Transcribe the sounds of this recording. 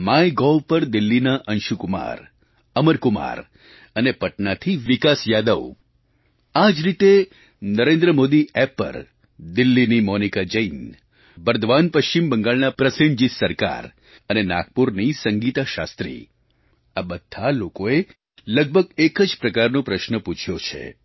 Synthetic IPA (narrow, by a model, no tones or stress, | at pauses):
majɡɔʋpəɾd̪ɪlːinaʔənʃukuma̰ɾ | əməɾkʊma̰ɾ | ənepəʈnat̪ʰiʋikasjad̪əʋ | ad͡ʒɾit̪e | nəɾẽnd̪ɾəmod̪iɛpːə̰ɾ | d̪ɪlːinimɔnikad͡ʒəin | bəɾd̪ʱʋanpəʃt͡ʃimbəŋɡaɭnapɾəsəɲd͡ʒisəɾka̰ɾ | ənenak̚puɾnisəŋɡit̪aʃa̰st̪ɾḭ | abəd̪̥ʱːalokoe | ləɡ̚bʱəɡekəd͡ʒpɾəkaɾnũpɾəʃnəput͡ʃʰjot͡ʃʰḛ